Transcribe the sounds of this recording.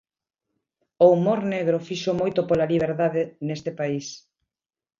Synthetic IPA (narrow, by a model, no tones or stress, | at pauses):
oumoɾneɣɾofiʃomojt̪opolaliβ̞eɾðaðenest̪ɪpais